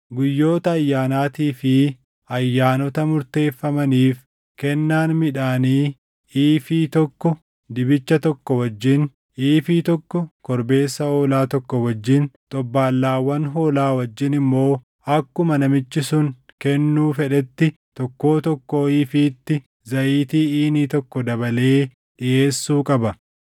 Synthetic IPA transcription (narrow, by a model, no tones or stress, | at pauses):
ɡʊjːo̞ːt̪ɐːjːaːnaːt̪iːfɪ | ɐjːaːnɔt̪ɐmʊɾt̪e̞ːfːɐmɐniːf | kɛnːaːnmɪᶑaːniː | iːfiːt̪ɔkːɔ | d̪ɪbɪt͡ʃːɐt̪ɔkːɔwɐd͡ʒːɪn | iːfiːt̪ɔkːɔkɔɾbe̞ːsːɐoːlaːt̪ɔkːɔwɐd͡ʒːɪnt̪ʼɔbːaːlːaːwɐnɦo̞ːlaːwɐd͡ʒːɪnɪmːo̞ː | ɐkːʊmɐnɐmɪt͡ʃːɪsʊŋkɛnːuːfɛᶑɛt̪ːɪ | t̪ɔkːo̞ːt̪ɔkːoːiːfiːt̪ːɪ | zɐʔiːt̪iːiːniːt̪ɔkːɔd̪ɐbɐle̞ː | ᶑɪʔe̞ːsːuːkʼɐbɐ